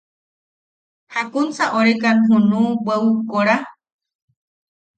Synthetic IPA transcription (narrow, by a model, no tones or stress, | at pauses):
hakunt͡saʔoɾekanɦũnũbeukoɾa